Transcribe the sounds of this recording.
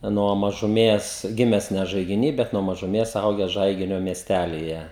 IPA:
nuɔ mɐʒʊˈmʲeːs ˈɡʲɪmʲɛs nʲɛ ʒɐɪɡʲɪˈnʲiː bʲɛt nuɔ mɐʒʊˈmʲeːs ˈɐʊɡʲæːs ˈʒɐɪɡʲɪnʲoː mʲiɛsʲˈtʲælʲiːjɛ

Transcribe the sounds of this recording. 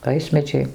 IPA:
ˈʋɐɪsʲmʲɛd͡ʒʲɛɪ

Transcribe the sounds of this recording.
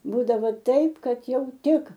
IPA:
ˈbuːdɐʋoː ˈtɐɪp ˈkɐt ˈjɛʊ ˈtʲɪk

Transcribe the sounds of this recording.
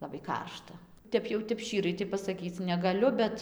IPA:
ˌlˠɑːbɐɪ ˈkɐrʃtɐ ˈtʲɛp jɛʊ ˈtʲɛp ˈʃʲt͡ʃʲiːrɐɪ pɐsɐˈkʲiːt͡s nʲɛɡɐˈlʲʊ ˈbʲɛt

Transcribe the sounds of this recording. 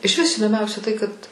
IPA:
ɪʃʲˈʋʲɪs iːdoːˈmʲɛʊsʲɛ tɐɪ kɐt

